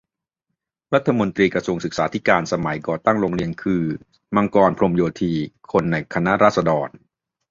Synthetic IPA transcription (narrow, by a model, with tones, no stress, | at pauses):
ɾa˦˥t̪ʰːa˧mo˧nt̪ɾiː˧kɾa˧su˧əŋsɯ˨˩k̚saː˩˦t̪ʰi˦˥kaː˧nsa˧ma˩˦jkɔː˨˩t̪a˥˩ŋɾoː˧ŋɾi˧ənkʰɯː˧ | ma˧ŋkɔː˧npʰɾo˧mjoː˧t̪ʰiː˧kʰo˧nːa˧jkʰa˧na˦˥ʔɾaː˥˩t̪̚sa˧dɔː˧n